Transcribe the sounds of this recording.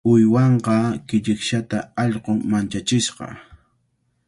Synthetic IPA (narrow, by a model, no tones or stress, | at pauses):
ʊjwɑɴqɑkɪʎɪkʃat̪aɑʎqoŋmant͡ʃat͡ʃɪsqɑ̰